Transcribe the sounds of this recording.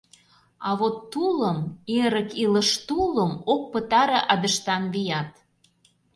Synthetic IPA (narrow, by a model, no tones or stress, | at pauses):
ɑβot̪ːuləmeɾə̆kilə̆ʃt̪uləmok̚pət̪ɑɾɤʔɑd̪əʃt̪ɑnβijɑt̪